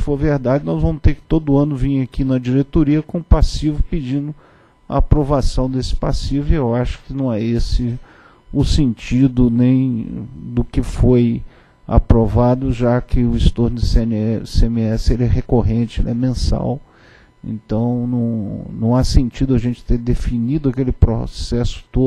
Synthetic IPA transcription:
foɾveɾd̪ad͡ʒɪnɔzvɐ̃mʊst̪eɾkɪ̥t̪od̪ʊɐ̃nʊvĩɲakinɐd͡ʒiɾet̪oɾiɐkõʊpasivʊpɪd͡ʒĩnd̪ʊ | ɐ̰ːpɾovasɐ̃w̃d̪esɪ̥pasivʊewaʃʊ̥kɪnɐ̃w̃ɛesɪ | ʊsẽnt͡ʃid̪ʊnẽj̃d̪ʊkɪfoj | a̰pɾovad̪ʊʒakɪʊɪst̪oɾnʊɪsseẽmeɛsɪelɪɛɦekoɦẽt͡ʃɪḛlɪɛmẽsa̰w | ḛ̃nt̪ɐ̃w̃nɐ̃w̃nɐ̃w̃asẽnt͡ʃid̪ʊɐʒẽnt͡ʃɪ̥t̪eɾd̪efinid̪ʊɐakelɪpɾo̰sɛsʊ̥t̪od

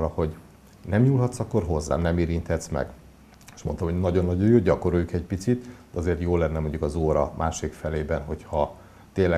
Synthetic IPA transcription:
rɒho̞ɟ | nɛmɲuːlɦɒt̪sɒkːo̞rɦo̞zːa̰ːnɛmeːɾint̪ʰɛt̪smɛ̰ɡ | e̥ʃmo̞nt̪ɒmho̞ɟnɒɟo̞nːɒɟojoːɟɒko̞ɾojukɛc̚pit̪sit̪d̪ɛɒzeːrt̪joːlɛnːɛmo̞ɲɟukɒzoːɾɒ̰mʔaːʃliːkfɛleːbɛnɦo̞chɒ | t̪eːnlːɛ

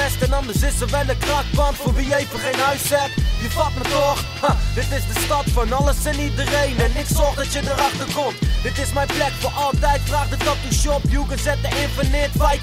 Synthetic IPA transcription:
ɛstɛnɑndəsɪsəʋɛləkrɑkbɑntfoʋijəejfəχejnœɥssɛtjəfɑtmətoχhad̥ɪtɪsdəstɑtfɑnɑləsɪnidərejnɛnːɪtsɔχdɑtjədəɾɑχtəkɔmntd̥ɪtɪsmɛjplɛkfoːʔɑlˠtɛjtfraːχdəstɔp̚dəʃɔpjuɡənsɛt̚əɪnfənɪətfɛj

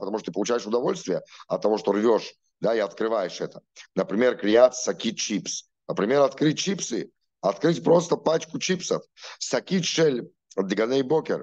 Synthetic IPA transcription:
pət̪ɐmuʂt̪ot̪ɨpəlˠʊt͡ɕæjɪʂʊd̪ɐvo̞lʲst̪vʲɪjəɐt̪ːɐvoʂt̪orvʲoʂ | d̪aiɐt̪kɾɨvajɪʂɛt̪ə̥nəpɾʲɪmʲe̞rklʲɪjat̪sɐkʲit̚ʲt͡ɕips | nəpɾʲɪmʲe̞ɾɐt̪kɾɨt̚ʲt͡ɕipsɨ | ɐt̪kɾɨtʲpɾost̪əpat͡ɕkʊt͡ɕipsəf | sɐkʲitʲʂɛlʲ | d̪ɪɡɐnɛjbokʲɪ̰r

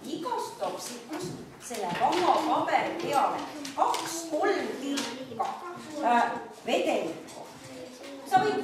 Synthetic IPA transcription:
iɡɑst̪opsit̪̚kus | selːepɑmɑpɑbeɾipeɑlekɑksko̞lmk̪ikɑ | ve̞d̪enikːo̰ | sɑbi

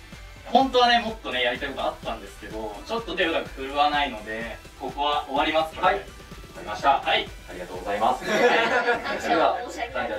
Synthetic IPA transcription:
hõ̞nt̪o̞β̞ane̞mo̞t̪ːo̞ne̞jaɾʲit̪aikok̪aat̪ːãnd̪e̞sɨ̥ke̞d̪o̞t͡ɕo̞t̪ːo̞d̪ebɯɾakɯ̟̥hɯ̟ɾɯ̟βanaino̞d̪e̞ | ko̞kɯ̟βaʔoβaɾʲimasɨ̥a | imaɕt̪ahaiaɾʲḭɡat̪oːɡo̞zaimasɨ̥ | aa

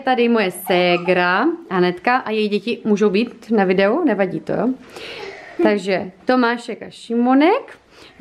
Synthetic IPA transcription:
t̪adɪmojɛsɛːɡɾaanɛt̪kaʔajɛjiɟɛcɪmuːʒo̞wbiːt̪navɪdɛunɛvaɟiːt̪ojo | t̪aɡʒɛt̪o̞maːʃɛkaʃɪmonɛk

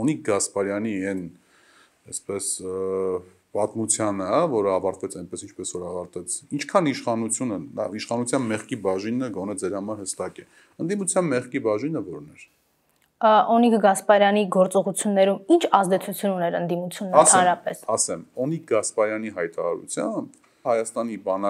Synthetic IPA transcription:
ɔnik̚ʰɡɑspɑɾjɑniɛn | ɛspɛs | pɑt̪mut͡sʰjɑnəvɔɾəɑvɑɾt̪vɛt͡sʰɑjnpɛsint͡ʃʰpɛsvɔɾɑvɑɾt̪vɛt͡sʰint͡ʃʰkʰɑniʃχɑnut͡sʰjunəd̪ɑ̰iʃχɑnut͡sʰjɑnmɛχkibɑʒinəɡɔnɛd͡zɛɾhɑmɑɾhəst̪ɑkɛ | ənd̪imut͡sʰjɑnmɛχkibɑʒinəvɔɾnɛɾ | ɔnikɡɑspɑɾjɑniɡɔɾt͡sɔʁut͡sʰjunːɛɾumint͡ʃʰɑzd̪ɛt͡sʰut͡sʰjununɛɾənd̪imut͡sʰjunəst̪ʰɑɛnɾɑpɛsɑsɛmɔnik̚ʰɡɑspɑɾjɑniɦɑjt̪ɑɾɑ̰ɾṵt͡sʰjɑmb | hɑjɑst̪ɑnibɑnɑ

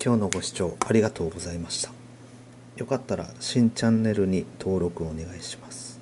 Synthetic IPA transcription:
kʲo̞ːno̞ɡo̞ɕi̥t͡ɕo̞ːaɾʲiɡat̪o̞ːɡo̞zaimaɕi̥t̪ḁ | jo̞kat̪ːaɾa̰ɕĩɲ̟t͡ɕãnːe̞ɾɯ̟ɲ̟it̪ʰo̞ːɾo̞kɯ̟one̞ɡaiɕi̥masɨ̥

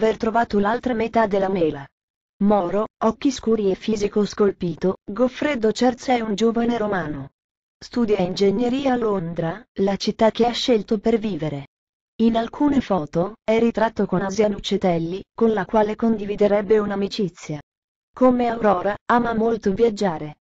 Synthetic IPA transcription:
vert̪ɾovaːt̪olalt̪ɾamet̪ad̪ːelːamɛːla | mɔːɾoɔkːiskuːɾiefːiːzikoskolpiːt̪oɡofːɾed̪ot͡ʃɛrt̪sɛund͡ʒoːvaneɾomaːno | st̪uːd̪jaind͡ʒeɲːeɾiːaːlond̪ɾalat͡ʃit̪ːak̟eaʃːelt̪operviːveɾe | inalkʰuːnefɔːt̪oɛrːit̪ɾat̪ːokonazjanut͡ʃːet̪ɛlːikonlakwaːlekond̪ivid̪eɾɛbːeunamit͡ʃit̪sːja | komeawɾɔːɾaaːmamolt̪ovjad͡ʒːaːɾe

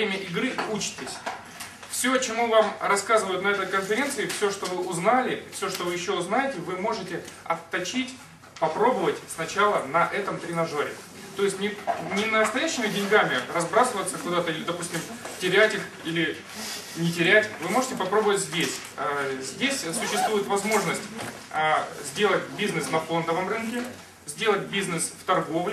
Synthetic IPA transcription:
emʲəʔɪɡɾɨut͡ɕɪ̥tʲɪsʲ | fsʲot͡ɕɪmuvamrɐskazɨvəjʊt̪nɐɛt̪əjkənfʲɪɾʲe̞nt̪sɨɪfsʲo̞ʂt̪o̞vɨʔʊznalʲɪfsʲo̞ʂt̪ovɨjɪɕːoʊznajɪtʲɪvɨmo̞ʐɨtʲɪɐ̰t̪ːɐt͡ɕitʲ | pɐpɾo̞bəvətʲsnɐt͡ɕalˠənɐʔɛt̪əmt̪ɾʲɪnɐʐoɾʲɪ̰ | t̪o̞jɪsʲtʲnʲɪnʲɪnəəst̪ɐjæɕːɪmʲɪdʲɪnʲɡamʲɪrɐzbɾasɨvət̪səkʊd̪at̪əiɪd̪ɐpusʲtʲɪm | tʲɪɾʲætʲix | ilʲɪ | nʲɪtʲɪɾʲætʲvɨmo̞ʐɨtʲɪpɐpɾo̞bəvətʲzʲdʲesʲ | zʲdʲesʲsʊɕːɪst̪vujɪt̪vɐzmo̞ʐnəsʲtʲ | zʲdʲelˠətʲbʲiznɨsnɐfo̞nd̪əvəmrɨnkʲɪ | zʲdʲe̞lˠət̚ʲbʲiznɨsft̪ɐrɡo̞vlʲɪ

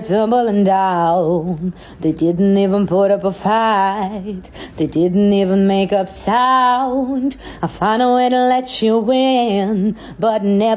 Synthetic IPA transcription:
tzʌ̃mbl̩ˠə̃ndaʊ | ðeɪdɪdⁿn̩tivə̃npʰʊɾʌpəfaɪt̪̚ðeɪdɪdⁿn̩tivə̃nmeɪkʌpsaʊʊ̃ndaɪfãɪ̃nəweɾəlɛt͡ʃəwɪn | bʌt̚ⁿnɛ

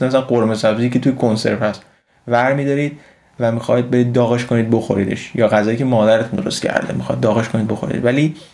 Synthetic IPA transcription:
emæs̬ælæɢoɾmesæbzijcʰe̞t̪ʰujekʰonse̞̰ɾt̪hæst̪ | væɾmiːd̪ɒɾiːd̪̥ | væmixɒːjd̪̚be̞ɾiːd̪̚ːɒːɣeʃko̞niːd̪̚bo̞xo̞ɾiːd̪ḛʃjɒːɣæzɒːjiːcʰemɒːd̪æɾet̪ʰund̪oɾost̪̚cʰæ̰ɾd̪ḛmixɒ̰jid̪ːɒːɣeʃkʰoniːd̪boxo̞ɾḭd̪væli

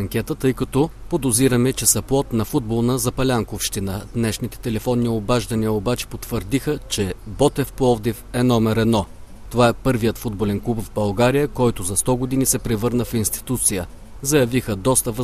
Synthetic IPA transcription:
ɐŋkʲɛt̪ət̪ɤjkɐt̪ɔpod̪oziɾəmɛt͡ʃɛsɐplˠɔt̪nɐfud̪̚bolˠnəzɐpɐlʲaŋkofʃt̪inəd̪nɛʃnit̪ɛ̥t̪ɛlɛfɔnːiobaʒd̪ɐniəobat͡ʃɛ̥pot̪vəɾd̪ixət͡ʃɛbɔt̪ɛfplˠɔvd̪ifɛnɔmɛɾɛd̪nɔ | t̪ovaɛpɤɾvijət̪fud̪̚bolɛnklˠupvbɐlˠɡaɾijəkɔjt̪ʊzɐst̪ɔɡod̪inisɛpɾɛvɤɾnəfinst̪i̥t̪ut̪sijə | zɐjɐvixəd̪ɔst̪əvə

